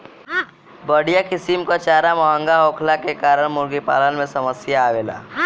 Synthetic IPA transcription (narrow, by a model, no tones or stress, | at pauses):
bəɽijakɪsimkat͡ʃaːɾamɔɦə̃ŋɡaɦoːkʰlakekaːɾəɽmʊɾɡipa̰ːlənmẽsəməsjaːʋeːla̰ː